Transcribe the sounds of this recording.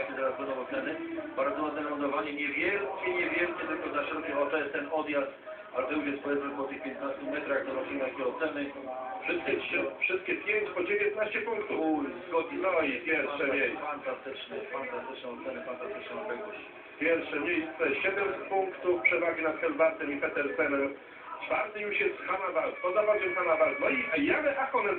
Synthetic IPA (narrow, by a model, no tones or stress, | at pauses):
k̪ʲɛt̪ɛɾazbɛnd̪ɔ̃w̃ɔt̪sɛnɘbaɾd̪zɔmɛzɛɾɛmɔd̪ɔvaɲɛɲɛvʲjɛlkʲɛɲɛvʲjɛlkʲɛt̪ɪlkɔzaʂɛɾuvʲɛʔɔt̪ɔjɛst̪ːɛnɔd̪jast̪ | azɛwvʲɛspɔjʲɛt̪mɛpɔt̪ɘxpʲjɛnt̪nast̪umʲɛt̪ɾaɣd̪ɔɾɔtint̪akʲɛɔt̪sɛnɘ | fʂɪst̪kʲɛtʂɘfʂɪst̪̚kʲɛpʲjeɲt͡ɕpɔd͡ʑevʲjɛnt̪naɕt͡ɕɛpuŋkt̪ufzɡɔd̪ɲinɔipʲjɛɾfʂɛɲɛfant̪ast̪ɪt͡ʂnɛfant̪ast̪ɘt͡ʂnɛ̃wɔt̪sɛnɛfant̪ast̪ɪt͡ʂnɛ̃p̪ɛɡɔ | pʲjɛɾfʂɛɲɛjɛst̪sɔɛɕɛd̪ɛmsɛt̪̚puŋkt̪ufpʂɛvaɡʲinat̪xɛlvaɾt̪ɛmipɛt̪ɛɾp̪ɛnɛm | t͡ʂfaɾt̪ɘjuʂjɛst̪xamavaɾt̪tɔzabad͡ʑɛmxamavaɾt̪nɔijamɛʔakɔnɛ